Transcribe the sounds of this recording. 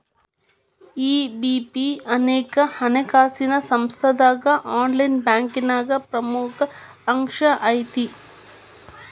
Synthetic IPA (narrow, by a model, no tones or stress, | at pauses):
iːbiːpiɐneːkɐhɐnekaːsinɐsɐmst̪ʰɐd̪aːɡɐʔaːnlɐjnbjaːŋkinaːɡɐpɾɐmukʰɐː | ŋʂɐʔɐjt̪i